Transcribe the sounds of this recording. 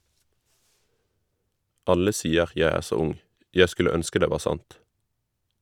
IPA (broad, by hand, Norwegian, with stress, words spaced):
ˈɑlə ˈsiːəʁ ˈjæ ˈæː ˈʃoː ˈʊŋ ˈjæ ˈskʉlə ˈœnskə ˈdeː ˈʋɑː ˈsɑnt